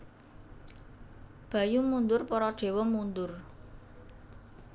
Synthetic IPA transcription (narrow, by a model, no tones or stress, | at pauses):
b̥ä̤jumund̪ʊrpɔɾɔɖ̥e̤wɔmund̪ʊr